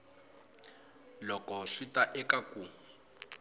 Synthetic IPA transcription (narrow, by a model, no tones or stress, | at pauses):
lɔkɔʂitaʔɛkaku